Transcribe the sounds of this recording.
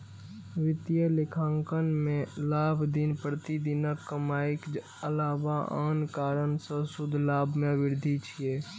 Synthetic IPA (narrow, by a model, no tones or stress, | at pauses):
ʋɪt̪jəlɪkʰãːŋkənmẽlaːbʱd̪inpɾət̪id̪inəkːəmaːik | əlaːʋaʔa̰ːnkaːɾənsə̃sʊd̪ʱlaːbʱmẽʋɪɾd̪ʱit͡ʃʰieː